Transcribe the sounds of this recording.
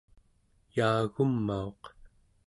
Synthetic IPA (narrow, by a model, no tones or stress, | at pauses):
jaːɣumːao̞q